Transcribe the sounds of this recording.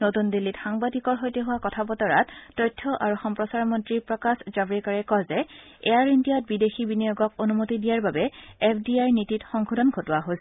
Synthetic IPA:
notundilːitxaŋbadikɔɹɦojteɦʊwakɔtʰapɔtɔɹatːɔjtʰːɔʔaɹuxɔmpɹɔsaɹmɔntɹipɹɔkaszabɹikaɹɛkɔzɛ | ɛjaɹindijɔt̚bidexibinijoɡɔk̚onumotidijaɹbabɛɛpʰdiajɹnititxɔŋkʰudɔnɡʱotʊwaɦojsɛ

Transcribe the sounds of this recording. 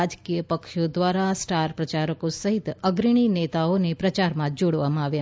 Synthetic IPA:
ad͡ʒkijəpəkʃod̪ʋaɾasʈaɾpɾət͡ʃaɾəkosəɦit̪əɡɾiɽ̃inet̪aonepɾət͡ʃaɾmãd͡ʒoɽʋamãaʋja

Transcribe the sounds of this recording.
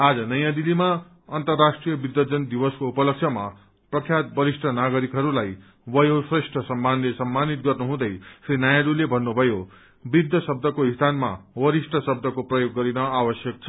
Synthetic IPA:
ad͡zʌnʌjãd̪ilima | ʌnt̪ʌrːasʈrijʌbid̪jʌd͡zʌnd̪iwʌskoupʌlʌkt͡sʰʌma̰ | prʌkʰjat̪̚bʌɾisʈʰʌnaɡʌɾikɦʌɾulaj | bʌjosresʈʰʌsʌmːanlesʌmːanit̪̚ɡʌrnuɦũd̪ʌjsinajaɾulebʱʌnːubʱʌjo | bid̪jʌsʌb̚d̪ʱʌkoɦist̪ʰanma̰wʌɾisʈʰʌsʌb̚d̪ʱʌkoprʌjoɡːʌɾinʌawʌsjʌk̚t͡sʰʌ̥

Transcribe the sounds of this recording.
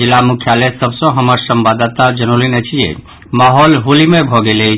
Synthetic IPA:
ilamukʰjalesəbsə̃ɦəməɾsəmbad̪at̪ad͡ʒənolinɛt͡ʃʰijḛ | maɦɔlɦolimebʱɔɡelɛ

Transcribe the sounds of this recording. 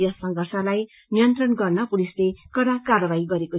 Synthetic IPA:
jʌsʌŋɡʌrsʌlaj | nijʌnt̪rʌnɡʌrnʌpulislekʌɾakarʌbaiɡʌɾeko

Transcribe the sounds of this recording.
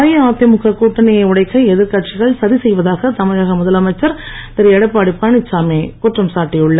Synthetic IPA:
jɐaːt̪jɐmʊɣɐkuːʈːɐnɪjɐʊɽɐɪkːɐɛðɪɾkɐʈ̚t͡ʃɪɣɐɭsɐðisɛjʋɐðaːɣɐt̪ɐmɐðaːɣɐmʊðɐlɐmɐɪt͡ʃːɐɾt̪ɐɾɪɛɽɐɪpːaːɽipaːɳɪt͡ʃːaːmeːkuʈrɐmsaːʈːɪjɯɭːɐ

